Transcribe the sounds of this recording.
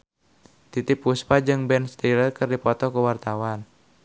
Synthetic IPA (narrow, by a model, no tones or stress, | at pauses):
t̪it̪ɪpːuspad͡ʒɨŋbɛnst̪ilərkɨrdipɔt̪ɔkəwart̪awan